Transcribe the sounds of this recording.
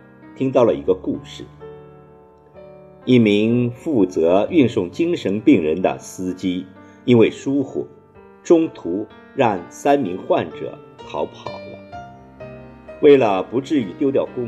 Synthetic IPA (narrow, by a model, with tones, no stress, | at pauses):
t̪ʰi˥ŋt̪̬ɑ˥˩ʊlə˩i˧˥ɡə˧ku˥˧ʂɻ̩˥˩ | i˥˩mi˧˥ŋfu˥˩t͡sɤ˧˥y˥˧nsʊ˥˩ŋt͡ɕi˥ŋʂə˧˥npi˥˩ŋɻə˧˥nd̪ə̰˧sɹ̩˥t͡ɕi˥ | i˥nwe˥˩ɪʂu˥xṵ˨˩ | ʈ͡ʂʊ˥ŋt̪ʰu˧˥ | ɻɑ˥˩ŋsa˥nmi˧˥ŋxwa˥˩nʈ͡ʂɤ̰˨˩˦ | xɑ˧˥ʊpʰɑ̰˨˩ʊlə̰˦ | we˥˩ɪlə˩pu˧˥ʈ͡ʂɻ̩˥˩y˨˥t̪jo˥˧ʊt̪jɑ˥˩ʊkʊ˥ŋ